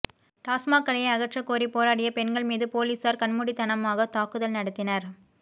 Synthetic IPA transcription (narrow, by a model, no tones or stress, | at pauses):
ʈaːsmaːkːɐɽɐjɐɪɐɣɐʈrɐkːoːɾipoːɾaːɽɪjɐpɛnɡɐɭmiːðɯpoːliːsaːɾkɐɳmʊɽit̪ɐnɐmaːɣɐt̪aːkːɯðɐlnɐɽɐt̪ːɪnɐɾ